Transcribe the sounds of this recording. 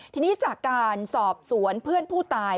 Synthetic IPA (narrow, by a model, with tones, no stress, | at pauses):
t̪ʰiː˧niː˦˥t͡ɕaː˨˩kkːaː˧nsɔː˨˩p̚su˩˦ənpʰɯ˥˩ənpʰuː˥˩t̪aː˧